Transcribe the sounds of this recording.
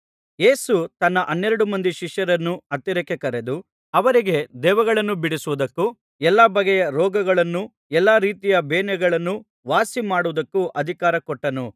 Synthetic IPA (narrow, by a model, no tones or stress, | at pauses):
je̞ːsut̪ɐnːɐʔɐnːɛɾɐɽumɐnd̪iʃiʂjɐɾɐnːuɐt̪ːiɾɛkekɐɾe̞d̪u | ɐʋɐɾiɡe̞d̪ɛːʋɐɡɐɭɐnːubiɽisuʋud̪ɐkːu | ɛlːaːbɐɡejɐɾɔːɡɐɡɐɭɐnːu | ɛlːaːɾiːt̪ijɐbeːnɛɡɐɭɐnːu | ʋaːsimaːɽuʋd̪ɐkːuʔɐd̪ʱikaːɾɐkɔʈːɐnu